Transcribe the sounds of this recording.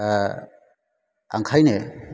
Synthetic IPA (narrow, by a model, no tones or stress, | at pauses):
a̰ŋkʰajne